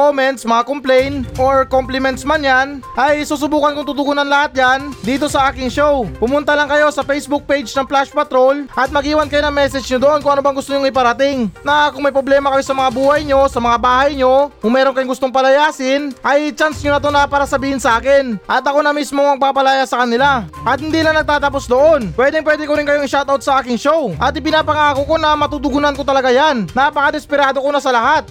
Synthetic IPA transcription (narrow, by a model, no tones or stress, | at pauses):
komɛnt̪smɐŋakomplɛjnʔoɹkomplɪmɛnt̪smanjanʔɐjsuːsʊbuːkɐnkʊŋt̪ʊt̪ʊɡuːnɐnlɐhat̪̚jand̪iːt̪̬o̞sɐʔaːkɪŋʃowpʊmʊnt̪ɐlɐŋkɐjo̞sɐfɛjsbuk̚pejd͡ʒnɐŋplaʃpɐt̪ɾo̞lʔɐt̪̚mɐɡiːwɐnkɐjonɐŋmɛsɛd͡ʒɲod̪oʔonkʊŋɐnobɐŋɡʊst̪oɲʊŋɪpɐɾɐt̪ɪŋnɐkʊŋmɐjpɾo̞blɛːmɐkɐjo̞sɐmɐŋabuːhɐjɲo̞sɐmɐŋabaːhɐjɲo̞kʊŋmɛːɾonkɐjoŋɡʊst̪oŋpɐlɐjaːsɪnʔɐjt͡ʃansɲonɐt̪o̞nɐpaːɾɐsɐbiːhɪnsɐʔaːkɪnʔɐt̪ɐko̞nɐmismo̞ŋmɐɡ̚paːpɐlajasɐkɐnɪlaʔɐt̪̚hɪnd̪iːlaŋnɐɡ̚t̪aːt̪ɐpo̞sd̪o̞ʔo̞npwɛːd̪ɪŋpwɛːd̪ɪkoɾɪnŋkɐjoŋɪʃawt̪awt̪sɐʔaːkɪŋʃo̞wʔɐt̪ɪpɪnaːpɐŋaːkoko̞nɐmɐt̪ut̪ʊɡʊnɐnkot̪ɐlɐɡajannapɐkad̪ɛspɪɾaːd̪o̞ko̞nɐsɐlɐhat̪̚